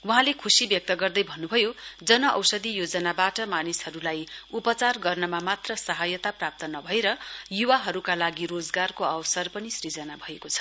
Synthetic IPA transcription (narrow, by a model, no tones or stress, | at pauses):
wuɦãlekʰusibjʌk̚t̪ʌɡʌrd̪ʌjbʱʌnːubʱʌjod͡zʌnʌʔʌ̰wsʌd̪ijod͡zʌnabaʈʌmanishʌɾulajupʌt͡sarɡʌrnʌmamat̪rʌsʌɦajʌt̪aprap̚t̪ʌnʌbʱʌeɾʌjuwaɦʌɾukalaɡiɾod͡zɡarkoʌwsʌrpʌnisrid͡zʌnabʱʌekot͡sʰʌ̥